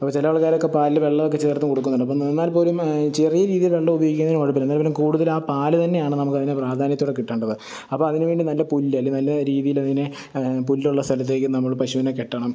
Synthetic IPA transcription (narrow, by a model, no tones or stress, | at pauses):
ɐpːoːt͡ɕilɐʋɐɭkːaːɾokːepaːlilʋe̞ɭːɐʋokːe̞t͡ɕit̪ːrɐt̪ːumkoɽukːunːɐɳːɖɐp̬ːoenːaːlpo̞ːlumt͡ɕerijɐɾiːðijɐlʋe̞ɭːɐmubɐjoɣɡikʲːnɐðinoɻip̬ːilenːaːlpoːlumkuːɽuðɐlaːpaːlɨt̪ɐnːe̞jaːɳɨnɐmukːɐðinɨpraːd̪ʱaːnjɐt̪ːuːɽekiʈːeːɳɖɐðɨ | ɐpːomɐðinɨʋeːɳɖinɐlːɐpulːɐlːɐnɐlːɐɾiːðijilɐðinɨ | pulːuɭːɐst̪ʰɐlɐt̪̬ːe̞ːkːɨnɐmːɐɭpɐɕuʋinekːeʈːɐɳɐm